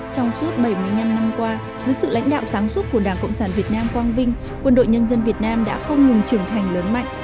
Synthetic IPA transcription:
t͡ɕɔ˧wŋ͡msu˦˥t̚ɓə˧˩jmɨ˧əjɲa˧mna˧mkwaː˧ | zɨː˨˦jsɨ̰˧˨la̰˧˥jŋ̟ɗa̰ː˧˨wsaː˨˦ŋswə˦˥t̚ku˧˩əɗaː˧˩ŋkə̰˧˨ŋ͡msaː˧˩nvi˨˩ət̚naː˧mkwaː˧ŋvï˧ŋ̟ | kwə˧nɗo̰˧˨jɲə˧nzə˧nvi˨˩ət̚naː˧mɗa̰ː˧˥xə˧wŋ͡mŋɨ˨˩ŋt͡ɕɨ˧˩əŋt̪ʰa˨˩jŋləː˨˦nma̰˧˨ŋʔ

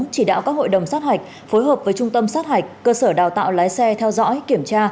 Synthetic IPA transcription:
t͡ɕi˧˩ɗa̰ː˧˨wkaː˦˥k̚ho̰˧˨jɗə˨˩wŋ͡msaː˦˥t̚ha˨˩jk̟̚ | fo˨˦jɦəː˨˩p̚vəː˨˦jt͡ɕʊ˧ŋ͡mt̪ə˧msaː˦˥t̚ha˨˩jk̟̚kəː˧səː˧˩ɗaː˨˩wt̪a̰ː˧˨wlaː˨˦jsɛ˧t̪ʰɛ˧wzɔ̰˧˥jki˧˩əmt͡ɕaː˧

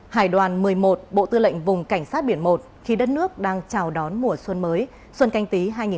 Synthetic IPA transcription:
haː˧˩jɗwaː˨˩nmɨ˨˩əjmo˨˩t̚ɓo̰˧˨t̪ɨ˧lə̰˧˨jŋ̟vʊ˨˩ŋ͡mka˧˩jŋ̟saː˦˥t̚ɓi˧˩ənmo˨˩t̚xi˨˦ɗə˦˥t̚nɨ˦˥ək̚ɗaː˧ŋt͡ɕaː˨˩wɗɔ˨˦nmu˨˩əswə˧nməː˨˦j | swə˧nka˧jŋ̟t̪i˨˦ɦaː˧jŋi˨˩

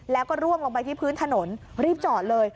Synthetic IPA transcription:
lɛː˦˥wkɔː˥˩ɾu˥˩əŋʔo˧ŋpa˧jt̪ʰiː˥˩pʰɯː˦˥nt̪ʰa˧no˩˦nɾiː˥˩p̚t͡ɕɔː˨˩t̪̚lɤː˧j

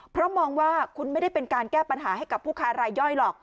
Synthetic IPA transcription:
pʰɾɔ˦˥mɔː˧ŋwaː˥˩kʰu˧nma˥˩jda˥˩jpe˧nkaː˧nkɛː˥˩pa˧nɦaː˩˦ha˥˩jka˨˩pʰːuː˥˩kʰaː˦˥ɾaː˧jːɔ˥˩jlɔː˨˩k̚

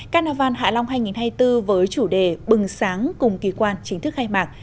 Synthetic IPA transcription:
kaː˧naː˧˩vaː˧˩nha̰ː˧˨la˧wŋ͡mɦaː˧jŋi˨˩nhaː˧jt̪ɨ˧vəː˨˦jt͡ɕu˧˩ɗe˨˩ɓɨ˨˩ŋsaː˨˦ŋkʊ˨˩ŋ͡mki˨˦kwaː˧nt͡ɕï˨˦ŋ̟t̪ʰɨ˦˥xaː˧jmaː˨˩k̚

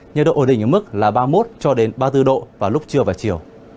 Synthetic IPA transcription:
ɲə̰˨˩ɗo̰ː˧˨˧ɗï˨˩ŋ̟əː˨˩mɨ˦˥k̚laː˨˩ɓaː˧mo˦˥t̚t͡ɕɔ˧ɗe˨˦nɓaː˧t̪ɨ˧ɗo̰˧˨vaː˨˩lʊ˦˥k͡p̚t͡ɕɨ˧əvaː˨˩t͡ɕi˨˩əw

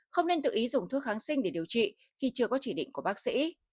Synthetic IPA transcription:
xə˧wŋ͡mne˧nt̪ɨ̰˧ʔi˨˦zʊ˨˩ŋ͡mt̪ʰu˦˥t̚xaː˨˦nsï˧ŋɗe˧˩ɗi˨˩əwt͡ɕḭ˧˨ | xi˧t͡ɕɨ˧əkɔ˨˦t͡ɕi˧˩ɗḭ˧˨ŋ̟ku˧˩əɓaː˦˥k̚sḭ˧˥

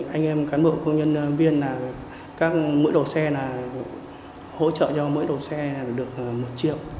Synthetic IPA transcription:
ʔa˧jŋ̟ʔɛ˧mkaː˨˦nɓo̰˧˨wkə˧wŋ͡mɲə˧nvi˧ənlaː˨˩ | kaː˦˥k̚mɨ̰˧˥jɗə˨˩sɛ˧naː˨˩ | ho̰˧˥t͡ɕə̰ː˧˨t͡ɕɔ˧mɨ̰˧˥jɗə˨˩wsɛ˧˨˩ɗɨ˨˩ək̚mo˨˩t̚t͡ɕḭ˧˨əw

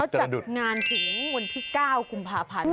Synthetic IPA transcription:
a˦˥wt͡ɕt͡ɕa˨˩t̪̚ŋaː˧nsi˩˦ŋwa˧nt̪ʰiː˥˩kaː˥˩wku˧mpʰaː˧pʰa˧n

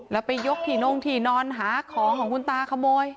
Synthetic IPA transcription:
lɛ˦˥wpa˧jːo˦˥k̚t̪ʰiː˨˩no˧ŋt̪ʰiː˨˩nɔː˧nɦaː˩˦kʰɔː˩˦kʰɔː˩˦ŋkʰu˧nt̪aː˧kʰa˧moː˧j

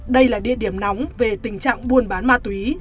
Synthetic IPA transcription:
ɗə˧jlaː˨˩ɗḭ˧˨əɗi˧˩əmna˨˦wŋ͡mve˨˩t̪ï˨˩ŋ̟t͡ɕa̰ː˧˨ŋɓu˧˩ənɓaː˨˦nmaː˧t̪wi˨˦

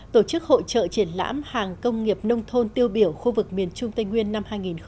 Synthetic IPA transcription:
t̪o˧˩t͡ɕɨ˦˥k̚ho̰˧˨t͡ɕə̰ː˧˨t͡ɕi˧˩ənla̰ː˧˥mhaː˨˩ŋkə˧wŋ͡mŋi˨˩əp̚nə˧wŋ͡mt̪ʰo˧nt̪i˧əwɓi˧˩əwxu˧vɨ˨˩k̚mi˨˩ənt͡ɕʊ˧ŋ͡mt̪a˧jŋwi˧ənːa˧mhaː˧jŋi˨˩nx

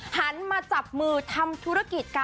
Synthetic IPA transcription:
ha˩˦nmaː˧t͡ɕa˨˩p̚mɯː˧t̪ʰa˧mt̪ʰu˦˥ɾa˦˥ki˨˩t̪̚kaː˧

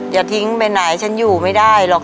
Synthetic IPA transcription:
jaː˨˩t̪ʰi˦˥ŋpe˧nːa˩˦jt͡ɕʰa˦˥njuː˨˩ma˥˩jdaː˥˩jlɔː˨˩k

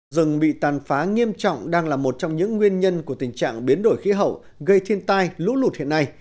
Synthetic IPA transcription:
zɨ˨˩ŋɓḭ˧˨t̪aː˨˩nfaː˨˦ŋi˧əmt͡ɕɔ̰˧˨wŋ͡mɗaː˧ŋlaː˨˩mo˨˩t̚t͡ɕɔ˧wŋ͡mɲɨ̰˧˥ŋːwi˧ənɲə˧nku˧˩ət̪ï˨˩ŋ̟t͡ɕa̰ː˧˨ŋɓi˨˦ənɗo˧˩jxi˨˦ɦə̰˧˨w | ɣə˧jt̪ʰi˧ənt̪aː˧jlṵ˧˥lu˨˩t̚hḭ˧˨əna˧j

